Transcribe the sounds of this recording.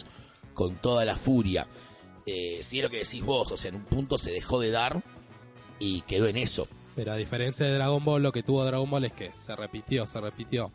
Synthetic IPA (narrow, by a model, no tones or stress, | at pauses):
ko̞nt̪o̞ðalafuɾja̰ | esielo̞ke̞ðesizβo̞soseaenumpunt̪o̞se̞ðexo̞ðe̞ðaɾ | ikeðo̞eneso̞̰ | peɾoað̞ifeɾensjaðeðɾaɣombo̞lːo̞ket̪uβo̞ðɾaɣombo̞lehkeserepit̪jo̞serepit̪jo̞